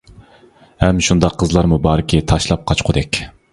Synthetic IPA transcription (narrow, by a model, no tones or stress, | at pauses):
hɛmʃund̪ɑqʰːəzlˠɑɾmubɑːɾɪkʲʰit̪ʰɑʃlˠɑp̚qʰɑt͡ʃqʰʊd̪ɛkʲ